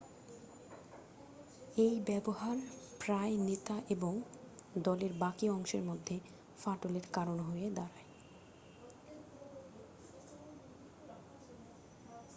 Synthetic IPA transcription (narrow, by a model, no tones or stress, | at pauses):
ejbɛboɦaɾpɾaenet̪aʔeboŋ | d̪ɔleɾbakiɔŋʃeɾmod̪ʱːe | faʈoleɾkaɾonɦoed̪aɾae